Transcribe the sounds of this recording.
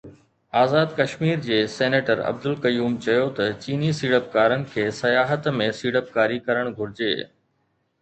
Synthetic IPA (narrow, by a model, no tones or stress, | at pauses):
aːzaːd̪kɐʃmiːɾd͡ʑeːseːneːʈəɾɐ̰b̚d̪ʊlkɐjuːmt͡ɕɐjot̪ɐt͡ɕiːnisiːɽəp̚kaːɾənɪ̆kʰeːsɐjaːɦət̪mẽsiːɽəp̚kaːɾikɐɾəɽ̃ɡʱʊɾɪd͡ʑḛː